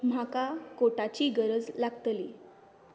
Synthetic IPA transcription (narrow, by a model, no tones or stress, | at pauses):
m̤akakoʈat͡ɕiːɡəɾəd͡zlaɡt̪liː